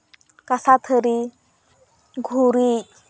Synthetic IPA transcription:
kasat̪ʰəɾi | ɡʱuɾit

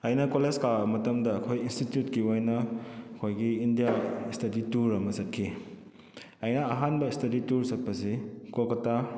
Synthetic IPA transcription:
ɐjnɐkolezkamɐtɐmdɐːkʰojinstitjutkiojnɐɐkʰojɡiːndijaistɐdituɾɐmɐsɐt̚kʰi | ɐjnɐɐɦanbɐistɐdituɾsɐt̚pɐsikokɐta

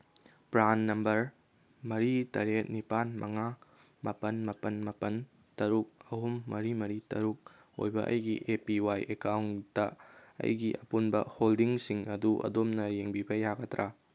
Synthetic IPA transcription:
pɾanːɐmbɐɾ | mɐɾitɐɾet̚nipanmɐŋa | mɐpɐnmɐpɐnmɐpɐn | tɐɾuk̚ɐɦumːɐɾimɐɾitɐɾuk̚ | o̰jbɐ̰ʔɐ̰jɡiʔepiwajʔekawntɐɐ̰jɡiʔɐpunbɐ̰holdiŋsiŋɐduʔɐ̰domnɐjeŋbibɐjaɡɐtɾʔa

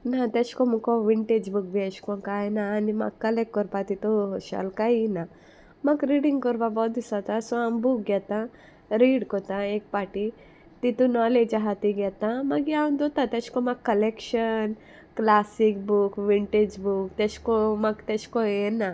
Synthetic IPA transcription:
nãt̪et͡ʃkomukoʋiɳʈeːd͡ʒbuk̚biet͡ʃkõkaenanima̰kːɐlek̚ʈ̚kɔɾpat̪it̪uʃa̰lkaina | mɐkɾiːɽiŋɡkɔɾpabɔːt̪̚isat̪ãsoambuk̚ɡet̪ã | ɾiːɖkot̪ãeːk̚paːʈi | t̪it̪unɔːleːd͡ʒaɦat̪iɡɛt̪ãmɐɡiãnd̪ot̪ãt̪et͡ʃkomakːɐlekʃɐn | klaːsikbukʋiɳʈeːd͡ʒbukt̪et͡ʃkomɐkt̪et͡ʃkoena

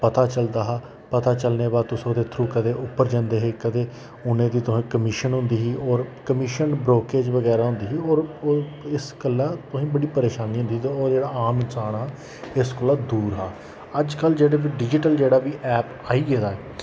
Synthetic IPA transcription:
pət̪aːt͡ʃəld̪aːɦaː | pət̪aːt͡ʃəlneːbaːd̪̚t̪ʊsd̪eːt̪ʰɾuːkəd̪eːʔʊpːəɾd͡ʒãːnd̪eːɦeːkət̪eː | ʊnẽːd̪iːt̪ʊsĩːkəmɪʃənɦʊ̃nd̪iːɦiːʔɔːɾkəmɪʃənbɾoːkeːd͡ʒʋəɡɛːɾaːɦʊ̃nd̪iːɦːɔːɾ | ɪskəlːaːt̪ʊsĩːbəɽiːpəɾeːʃaːniːɦʊ̃nd̪iːd̪aoːɾd͡ʒeːɽaːaːmɪnsaːnaː | ɪskəlːaːd̪uːɾɦaː | əd͡ʒkəld͡ʒeːɽeːbiːɖɪd͡ʒɪʈəld͡ʒeːɽaːʋiːʔɛːp | aːiːɡeːd̪aːɛː

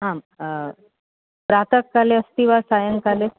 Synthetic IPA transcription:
ɦãm | pɾat̪əkːaleəst̪iʋasajəŋkale

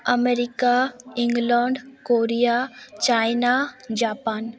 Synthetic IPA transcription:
ɐmeɾikaĩŋɡlaɳɖkoːɾijat͡ʃaːjnad͡ʑaːpaːn

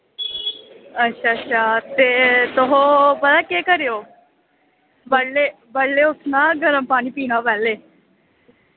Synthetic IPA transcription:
ətːʃʰaːətːʃʰaːt̪eːt̪ʊɦõːpəd̪aːkeːkəɾeːoː | bəɽleː | bəɽlːeːʊsnãːɡʱəɾəmpaːɽ̃iːpiːnãːpɛːleː

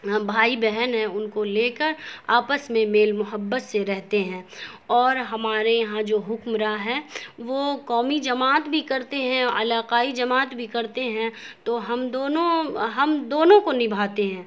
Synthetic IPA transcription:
bʱaːibɛɦənɦɛ̃ʊnkoleːkəɾaːpəsmẽmeːlmʊɦəbːət̪seɾɛɦt̪eɦɛ̃ː | ɔːɾɦɐmaːɾejɐɦãd͡ʒoːɦʊkmɾaɦɛːʋokɔːmid͡ʒɐmaːt̪bʱikɐɾt̪eɦɛ̃ɐ̰laːqaːid͡ʒɐmaːt̪bʱikɐɾt̪eɦɛ̃t̪oɦɐmd̪oːnõɦɐmd̪oːnõkonɪbʱaːt̪eɦɛ̃ː

